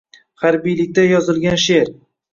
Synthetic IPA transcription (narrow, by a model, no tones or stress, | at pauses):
haɾbijlɪk̚ʲt̪ajɒzɪlˠɡʲanʃe̞ɾ